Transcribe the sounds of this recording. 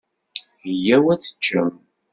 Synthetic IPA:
jæwæt͡sːə̥t͡ʃːəm

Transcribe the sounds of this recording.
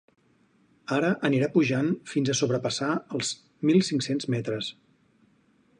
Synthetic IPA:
aɾəʔəniɾapuʒanfinzəsoβɾəpəsaəlˠz̥ | milˠsiŋksenzmɛt̪ɾəs

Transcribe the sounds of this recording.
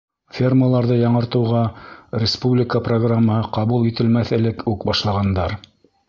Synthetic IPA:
fʲerməlˠɑɾðɤjɑɴɤ̆ɾt̪ɤ̆wʁɑrʲɪspublʲɪkəproɡramːəhɤqɑβulˠit̪ɘ̆lmæθɘ̆lɘkʉkbɑʃlˠɑʁɑnd̪ɑɾ

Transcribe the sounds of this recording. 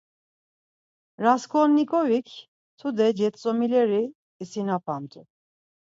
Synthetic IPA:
ɾaskʰɔnːikʰovik | t̪ʰud̪ɛd͡ʒɛt̪somilɛɾiː | sinapʰant̪ʰu

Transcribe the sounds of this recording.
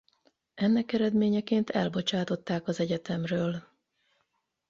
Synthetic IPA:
ɛnːɛkɛɾɛd̪meːɲɛkeːnt̪ɛlbo̞t͡ʃaːt̪o̞t̪ːaːkɒzɛɟɛt̪ɛmrøːl

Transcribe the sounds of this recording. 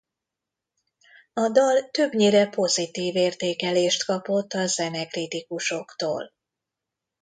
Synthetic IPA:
ɒd̪ɒlt̪øbɲeːɾɛpo̞zit̪iːveːrt̪eːkɛleːʃt̪kɒpo̞t̪ːɒzɛnɛkrit̪ikuʃo̞kt̪o̰ːl

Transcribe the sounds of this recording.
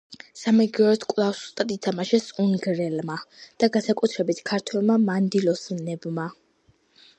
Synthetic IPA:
samɛɡɔɾɛt̪ʰkʼlˠafsu̥st̪ʼad̪it̪ʰamaʃɛsuŋɡɾɛlmad̪̥aɡansakʼut̪ʰɾɛbit̪ʰkʰaɾt̪ʰwɛlˠmamand̪ilɔsmnɛbma

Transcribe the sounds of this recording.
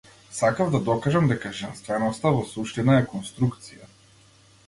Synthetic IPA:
sakavd̪ad̪ɔkaʒamd̪ɛkaʒɛnst̪vɛnɔst̪avɔsuʃt̪inaɛkɔnst̪ɾukt̪sija

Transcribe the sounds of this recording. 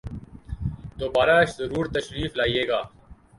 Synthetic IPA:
d̪oːbaːɾaːʃzɐɾuːɾt̪əʃɾiːflaːiːeːɡaː

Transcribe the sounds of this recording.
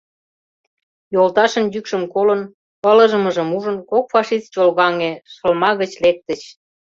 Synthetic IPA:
jolt̪ɑʃə̆njykʃə̆mkolə̆n | pələ̆ʒəmə̆ʒə̆muʒə̆nkok̚fɑʃist͡ɕolɣɑŋeʃə̆lmɑɣə̆t͡ɕlek̚t̪ə̆t͡ɕ

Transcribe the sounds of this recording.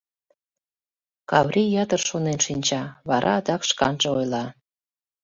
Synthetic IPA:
kɑβrʲijɑt̪ərʃonenʃinʲt͡ɕɑβɑɾʔɑ̰ːd̪ɑkʃkɑ̰nʒəojlɑ

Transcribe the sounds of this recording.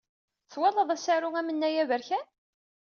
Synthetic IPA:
θwælːəðˤæsæɾʊŋæmənːæjævəɾçæ

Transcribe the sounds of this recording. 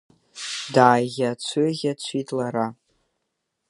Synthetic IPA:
daːjɣʲat͡ʃʷʰøɣʲat͡ɕʷʰitʼlaɾa

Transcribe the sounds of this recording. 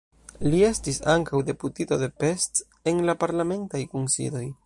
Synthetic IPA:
lie̞stisaŋkawde̞putito̞de̞pe̞st | enlapaɾlame̞ntajkunsḭdo̞j

